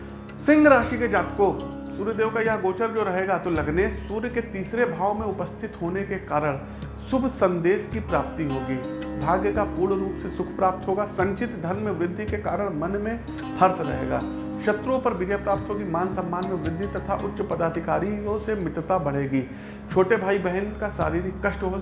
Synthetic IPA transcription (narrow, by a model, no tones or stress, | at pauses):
sɪ̃ŋɡʱɾaːʃiked͡ʒaːt̪ko | suːɾjəd̪eːʋkajɐɦɡoːt͡ʃəɾd͡ʒoːɾɐɦeːɡat̪olɐɡnesuːɾjket̪iːsɾebʱaːʋomẽʊpəst̪ʰɪt̪ɦoːnekekaːɾəɽ̃ | sʊbʱsɐ̃nd̪eːskipɾaːp̚t̪iɦoːɡiːbʱaːɡjəkapuːɾɳɾuːpsesʊkʰpɾaːp̚t̪ɦoːɡaːsɐ̃ɲt͡ʃɪt̪d̪ʱɐnmẽʋɾɪd̪ʱːikekaːɾəɽ̃mɐnmẽ | hɐɾsɾɐ̰ɦḛːɡa̰ː | ʃɐt̪ɾõpɐɾbɪɾjapɾaːp̚t̪ɦoːɡimaːnsɐ̃mːaːnmẽʋɾɪd̪ʱːit̪ɐt̪ʰaʔʊtːʃəpɐd̪aːd̪ʱɪkaːɾiõsemɪt̪t̪abɐɽ̤eːɡiː | t͡ʃʰoːʈebʱaːibɛɦənkasa̰ːɾiːɾikɐʃʈɦ